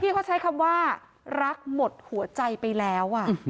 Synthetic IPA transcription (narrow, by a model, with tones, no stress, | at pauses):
t̪ʰiː˥˩kʰa˦˥˩t͡ɕʰa˦˥jkʰa˧mwaː˥˩ | ɾa˦˥k̚mo˨˩t̪̚hu˨˩˦ɐt͡ɕa˧jpa˧jlɛː˦˥wʔa˨˩